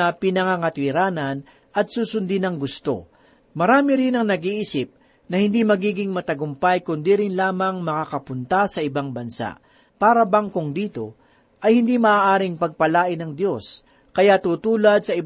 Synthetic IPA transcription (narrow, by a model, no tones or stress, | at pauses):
ɐpɪnɐŋaŋɐt̪wɪɾaːnɐn | ʔɐt̪̚suːsʊnd̪ɪnɐŋɡʊst̪o̞̰ | mɐɾaːmɪɾɪnɐŋnɐɡiʔiːsɪp̚ | nɐhɪnd̪imɐɡiːɡɪŋmɐt̪ɐɡʊmpajkʊnd̪iɾɪnlaːmɐŋmɐkakɐpʊnt̪asɐʔɪbaŋbɐnsa̰ʔ | paːɾɐbaŋkoŋd̪iːt̪o̞ | ʔɐjhɪnd̪imɐʔaːʔaːɾɪŋpɐɡ̚pɐlaːʔɪnɐŋd̪jo̞s | kɐjat̪ut̪uːlɐd̪̚sɐʔɪ